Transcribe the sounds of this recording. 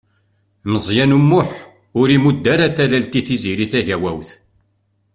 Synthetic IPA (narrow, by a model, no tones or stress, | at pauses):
məzˤjænumːʊħ | ʊɾimud̪ːæɾaθælælt̪iθiziɾiθæʝæwæwθ